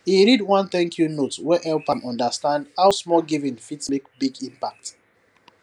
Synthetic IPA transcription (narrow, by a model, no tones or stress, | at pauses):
iɹidwãnθɛ̃ŋkʰjunotwɛʔɛlpãnɔ̃ndəstãndhawsmɔlɡivĩnfitmikbiɡĩmpak̚t